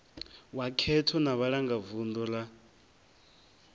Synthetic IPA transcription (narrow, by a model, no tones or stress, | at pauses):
wakʰɛtʰɔnaβaɺaŋɡavund̪ɔla